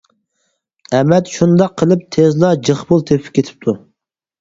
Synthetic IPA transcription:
ɛmɛt̪ʃund̪ɑqʰːəlˠɨp̚t̪ʰezlˠɑd͡ʒəχbulˠt̪ʰepʰɪ̥p̚ʲkʲʰːet̪ʰɪ̥p̚t̪ʰu

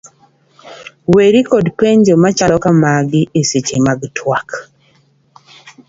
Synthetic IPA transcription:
weɾikɔdpeɲd͡ʒomat͡ʃalɔkamaɡiʔeset͡ʃemaɡtʰwak

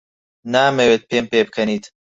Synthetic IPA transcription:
naːmeweːt̪̚peːmpeːbɨkʰɐniːt̪

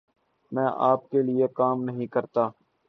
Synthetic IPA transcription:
mɛ̃ːʔaːp̚kelɪekaːmnəɦĩkəɾt̪aː

